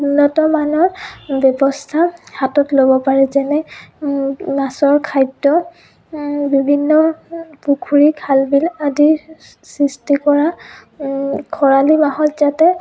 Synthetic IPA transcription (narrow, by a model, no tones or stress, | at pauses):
unːɔtɔmanɔɹbjɔbɔstʰahatɔtlobɔpaɹɛzɛnɛ | masɔɹkʰajdːɔ | bibʱinːɔpukʰuɹikʰalbiladi | sistikɔɹa | kʰɔɹalimaɦɔtzatɛ